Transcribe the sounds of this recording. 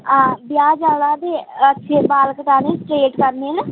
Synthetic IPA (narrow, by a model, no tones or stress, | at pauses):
ãːbɪjaːd͡ʒaːlaːd̪eːətːʃʰeːbaːlkəʈaːnẽːsʈɾeːʈkəɾneɛːna